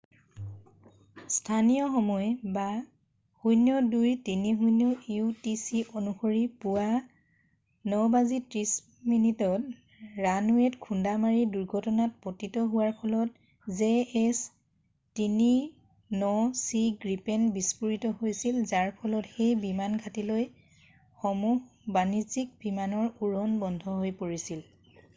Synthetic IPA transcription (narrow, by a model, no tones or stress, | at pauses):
stʰanijɔxɔmɔjba | hujnjɔdujtiniɦujnjɔjutisiʔonuxoɹipuwa | nɔbazitɹis | minitɔt̚ | ɹanuɛtkʰundamaɹiduɹɡʱɔtɔnat̚potitɔɦʊwaɹpʰɔlɔt̚ | zeɛs | tini | nɔsiɡɹipɛnbispuɹitɔhojsilzaɹpʰɔlɔtxejbimanɡʱatiloj | xɔmuɦbanizik̚b̥imanɔɹuɹɔnbɔndʱɔɦojpoɹisil